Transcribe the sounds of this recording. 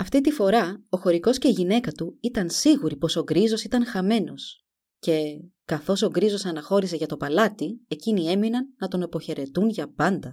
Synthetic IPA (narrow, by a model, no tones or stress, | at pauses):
ɐft̪it̪ifo̞ɾɐo̞xo̞ɾiko̞sce̞iʝine̞kɐt̪uit̪ɐnsiɣuɾipo̞so̞ɡɾizo̞sit̪ɐnxɐme̞no̞s | ce̞kɐθo̞so̞ɡɾizo̞sɐnɐxo̞ɾise̞ʝɐt̪o̞pɐlɐt̪ie̞cinie̞minɐnːɐt̪o̞nɐpo̞çe̞ɾe̞t̪unʝɐpɐnd̪ɐ